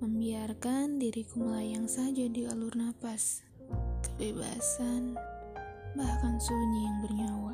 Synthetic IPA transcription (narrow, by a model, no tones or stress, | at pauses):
məmbiarkandiɾikuməlajaŋsad͡ʒadikalurnapas | kəbeba̰san | bahkansoɲijaŋbərɲawa